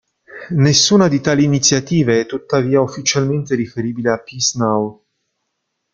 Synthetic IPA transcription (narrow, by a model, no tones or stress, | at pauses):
nesːuːnad̪it̪aːliːnit̪sːjat̪iːveɛt̪ːut̪ːaviːaufːit͡ʃalment̪eɾifeɾiːbileapːisnaw